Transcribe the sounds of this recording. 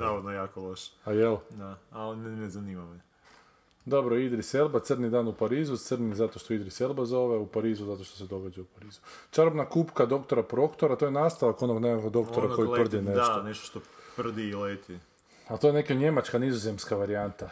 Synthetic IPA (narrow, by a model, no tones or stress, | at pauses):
naʋod̪nojaːkoloʃe̥ajeld̪aalinnezaniːmam | d̪o̞bɾoid̪ɾiselˠbat̪sɨrnid̪aːnupaɾiːzut̪sɨrnizat̪o̞ʃt̪o̞id̪ɾiselˠbazo̞ʋeupaɾiːzuzat̪o̞ʃt̪o̞se̞d̪o̞ɡad͡ʑaupaɾiːzut͡ʃaɾobnakupkad̪o̞kt̪o̞ɾapɾo̞kt̪oɾat̪ojenast̪alako̞no̞ɡnemakoɡd̪o̞kt̪oɾako̞jipr̩d̪ineoneʃt̪o̥ʃt̪opr̩d̪iːlet̪i | at̪ojnekeɲe̞mat͡ʃkanizoze̞mskaʋaɾiant̪a